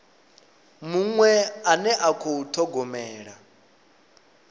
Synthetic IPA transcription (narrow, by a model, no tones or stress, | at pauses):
muŋwɛanɛʔakʰoutʰɔɡɔmɛːɺa